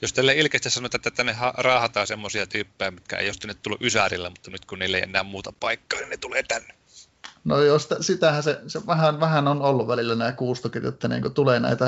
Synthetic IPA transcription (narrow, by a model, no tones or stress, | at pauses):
jost̪ælːeʔilkest̪issɑnoet̪ːˑet̪ːet̪ːænehɑrɑːhɑt̪ɑːsemːosiɑt̪yːpːejæmit̪kæ̰ḛˑjost̪ænːyt̪t̪ulːuʔysærilːæmut̪ːɑnyt̪kunniːlːḛˑiḛnːˑæːmmuːt̪ɑpɑikːɑːninnet̪uleːt̪ænːe | nojost̪æsit̪æhæseseʋæhænʋæhænonolːuʋʋælilːænæˑːkuːst̪ukirjo̰t̪ːɑnḭːŋkot̪uleːnæ̰ˑit̪æ